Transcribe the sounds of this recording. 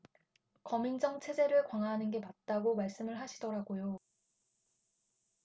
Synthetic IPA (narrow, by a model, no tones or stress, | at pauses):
kʌmind͡ʑʌŋt͡ɕʰe̞d͡ʑe̞ɾɯɭkwaŋɦaɦanɯnɡe̞pat̚t͈aɡomaɭs͈ɯmɯɭɦaɕʰidʌɾaɡojo